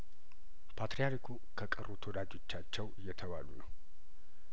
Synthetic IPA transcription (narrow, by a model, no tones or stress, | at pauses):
pʰat̪ɾijaɾikʰu | kʰəkʼərut̪ʰəwod̪ad͡ʒo̞t͡ʃːat͡ʃːɛwɨjːɛt̪ʰəβa̰lunəw